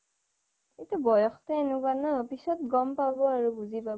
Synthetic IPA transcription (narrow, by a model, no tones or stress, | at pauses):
etubɔjɔxtɛːnʊkanɔopisɔt̚ɡɔmpabɔaɹubuzipa